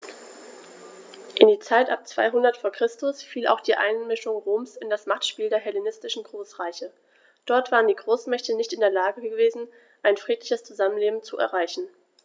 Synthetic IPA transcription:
ʔɪndiːt͡saɪtʔa̰p̚t͡sv̥a̰ɪɦʊndɐtfoːɐkʁ̥ɪstʊsfiːla̰ʊxd̥iːʔa̰ɪnmɪʃʊŋʁoːmsɪndasmaχtʃpiːldeːɐɦɛlenɪstɪʃn̩ɡʁoːsʁ̥aɪçə | d̥ɔɐtv̥aːʁəndiːɡʁoːsmɛçtənɪçtɪndeːɐlaːɡəɡəveːzn̩ | ʔaɪnfʁ̥iːtlɪçəst͡suzamənleːbm̩t͡suʔɛ̰ɐʁ̞aɪçn̩

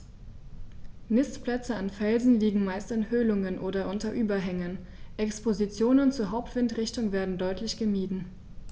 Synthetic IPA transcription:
nɪstplɛt͡səanfɛlzn̩liːɡŋ̩maɪstɪnhøːlʊŋənʔoːdɐʔʊntɐʔyːbɐɦɛŋən | ʔɛkspozit͡sjoːnənt͡suːɐɦaʊptv̥ɪntʁɪçtʊŋveːɐdn̩dɔʏtʰlɪçɡ̥əmiːdn̩

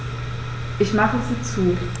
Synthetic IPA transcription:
ʔɪçmaχəziːt͡suː

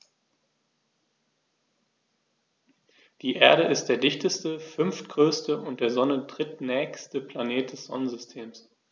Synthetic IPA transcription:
d̥iːʔeːɐɾəʔɪst̚d̥eːɐdɪçtəstəfʏnftɡ̥ʁøːstəʔʊnt̚d̥eːɐzɔnədʁ̥ɪtnɛːçstəpʰl̥aneːt̚d̥ɛsz̥ɔ̰nənzʏstʰeːms

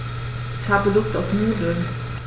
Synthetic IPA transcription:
ɪçhaːbəlʊstaʊfmyːdl̩

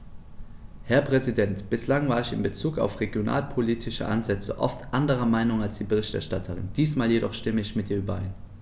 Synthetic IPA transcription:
hɛɐpʁ̥ɛzidɛntb̥ɪslaŋvaːɐɪçɪ̰nbət͡suːka̰ʊfʁeɡjona̰ːlpʰoliːtʰɪʃə̰ʔa̰nzɛt͡sə̰ʔɔ̰ftʰʔandəʁ̞ɐmaɪnʊŋalsd̥iːbəʁɪçtɛɐʃtatʰəʁɪ̰nd̥iːsmaːljedɔχʃtɪməɪçmɪtʔiːɐyːbɐʔa̰ɪn

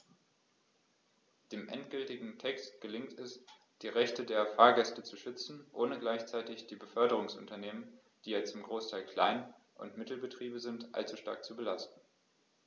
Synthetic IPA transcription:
d̥eːmʔɛ̰ntɡ̥ʏltɪɡŋ̩tʰɛkstɡ̥əlɪŋtɛs | d̥iːʁɛçtədeːɐfaːɐɡɛstət͡suʃʏt͡sn̩ʔoːnəɡlaɪçt͡saɪtɪçd̥iːbəfœɐdəʁ̞ʊŋsʔʊ̰ntɐneːmən | d̥iːjɛt͡stɪmɡʁoːstʰaɪlkl̥a̰ɪn | ʔʊ̰ntmɪtl̩bətʁ̥iːbəzɪntʔa̰lt͡suʃta̰ɐk̚t͡subəlastn̩

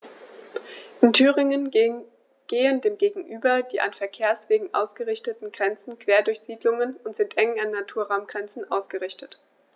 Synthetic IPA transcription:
ʔɪntʰyːʁɪŋən | ɡ̥eːəndeːmɡeːɡŋ̩ʔyːbɐd̥iːʔa̰nfɛɐkʰeːɐsv̥eːɡŋ̩ʔa̰ʊsɡ̥əʁɪçtətn̩ɡʁɛnt͡sn̩kv̥eːɐdʊɐçz̥iːdlʊŋənʊntz̥ɪntʔɛŋanːatʰuːɐʁaʊmɡ̥ʁɛnt͡sn̩ʔa̰ʊsɡ̥əʁɪçtət

